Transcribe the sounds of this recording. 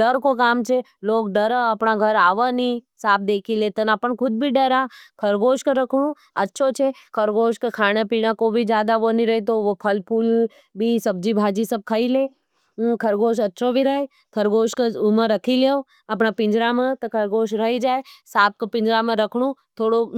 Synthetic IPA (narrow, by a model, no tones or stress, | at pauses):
ɖəɾkokaːmt͡ʃʰeloːk̚ɖəɾəɐpɳaɡʱɐɾaːʋəni | saːp̚d̪eːkʰilet̪ənːpəɳkʰʊd̪̚bʱiɖəɾakʰəɾɡoːʃkəɾəkʰɽ̃ũ | ɐtːʃʰot͡ʃʰekʰəɾɡoːʃkekʰaːɽ̃epiːɽ̃ãkobʱid͡ʒjaːd̪aʋəniɾɐɦet̪̬ookʰəlpʰuːl | bʱisɐb̚d͡ʒibʱaːd͡ʒisəb̚kʰəileː | ũkʰɐɾɡoːʃɐtːʃʰobʱiɾəe | kʰəɾɡoːʃkəumə̃ɾəkʰileːo | ɐpɳapɪ̃ɲd͡ʒɾamẽt̪ɐkʰɐɾɡoːʃ̬ɾəɦid͡ʒaːesaːp̚kopɪ̃ɲd͡ʒɾamẽɾəkʰɽ̃ũt̪ʰoːɽo